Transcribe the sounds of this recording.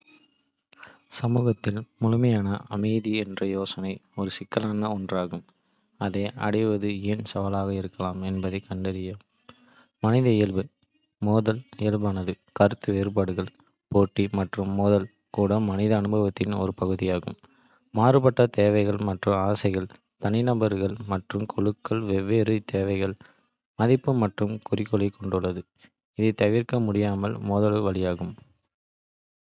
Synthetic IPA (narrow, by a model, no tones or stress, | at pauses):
sɐmuːɣɐt̪ːɪlmʊɻʊmɐjaːnɐʔɐmɐɪðiɛndrɐjoːsɐnɐɪɔɾɯsɪkːɐlaːnɐɔndraːɣɯm | ɐðeːʔɐ̰ɽɐɪʋɐðɯeːnsɐʋɐlaːɣɐɪɾɯkːɐlaːmɛnbɐðɐɪkɐɳɖɐɾɪjɐ | mɐnɪðɐɪjɐɭʋɯ | mɔːðɐlɪɐɭʋaːnɐðɯ | kɐɾɯt̪ːɯʋeːɾɯpaːɽɯɣɐɭ | poːʈːimɐʈrɯmːɔðɐl | kuːɽɐmɐnɪðɐːnɯbɐʋɐt̪ːɪnɔ̰ɾɯpɐɣɯðɪjaːɣɯ̰mː | aːrɯpɐʈːɐt̪eːʋɐɪɣɐɭmɐʈrɯmaːsɐɪɣɐɭ | t̪ɐnɪnɐmbɐɾɯɣɐɭmɐʈrɯmkʰɔɭɯkːɐɭʋɛʋːeːɾɯt̪eːʋɐɪɣɐɭ | mɐðɪpːɯmɐʈrɯmkʊrɪkːɔɭɐɪkːɔɳɖɯɭːɐðɯ | ɪðɯt̪ɐʋɪɾkɐmʊɽɪjaːmɐlmɔðɐlʋɐɭɪjaːɣɯm